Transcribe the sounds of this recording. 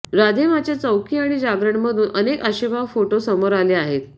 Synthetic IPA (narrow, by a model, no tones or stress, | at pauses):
ɾad̪ʱemat͡ɕjat͡səwkʰiaɽ̃id͡ʑaɡɾəɳməd̪ʱuːnənekaɕibʱafoʈosəmoɾaleaɦet̪